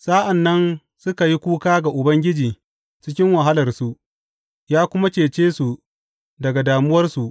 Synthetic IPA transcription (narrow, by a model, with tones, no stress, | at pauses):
sa˦ʔa˨nːɐ˦n | sʊ˦ka˨ji˦kʷuː˦kaː˦ɡa˨ʔʊ˨bɐ˦ŋɡʲɪ˦d͡ʒiː˨ | t͡ʃɪ˦kʲɪ˦ŋwɐ˨ɦa˦lɐ˨rsu˨ʔ | jaː˦kʷʊ˦ma˦t͡ʃeː˨t͡ʃeː˦su˨ | dɐ˨ɡa˨daː˨mʊ˦wɐ˦rsu˨ʔ